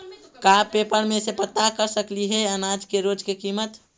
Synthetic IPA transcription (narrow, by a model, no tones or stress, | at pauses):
kapepəɽmesepət̪akəɾsəkliɦɛənad͡ʒkeɾod͡ʒkekimət̪